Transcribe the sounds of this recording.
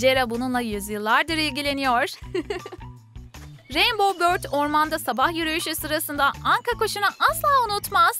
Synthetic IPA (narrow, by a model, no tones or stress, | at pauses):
d͡ʒeɾabununlˠajyzjɯlˠːaɾd̪ɯɾilʲɟilʲe̞nijoɾ̥ | ɾembo̞bøɾt̪ʰoɾmand̪asabahjyɾyjyʃysɯɾasɯnd̪aaŋkakoʃunaʔaslˠaːunut̪maz̥